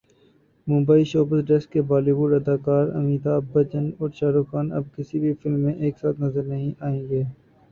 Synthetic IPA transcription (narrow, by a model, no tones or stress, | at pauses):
mʊ̃mbaːiʃoːpəzɖɛskːebaːliːbʊɖɐd̪aːkaːɾɐ̰miːt̪aːbɐt͡ʃənɔːɾʃaːɾuxaːnɐ̰b̚kɪsibʱifɪlmːẽʔeːksaːt̪nɐzəɾnɐɦĩʔaːẽːɡeː